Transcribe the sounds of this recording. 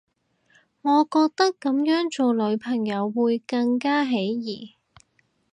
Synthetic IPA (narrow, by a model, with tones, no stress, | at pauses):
ŋɔː˨˧kɔː˧k̚t̪ɐ˥kːɐ˨˥mjœː˨˥ŋt͡ʃo˨wlɵ˨˧˥ɥpʰɐ˨˩ŋjɐ˨˧wːuː˨˧jkɐ˧ŋkaː˥ɦe˨˥jjiː˨˩